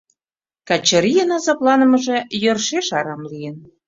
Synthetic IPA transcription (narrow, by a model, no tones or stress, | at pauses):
kɑt͡ɕəɾijənɑzɑplɑnə̆mə̆ʒe̽jørʃeʃɑɾɑmlijən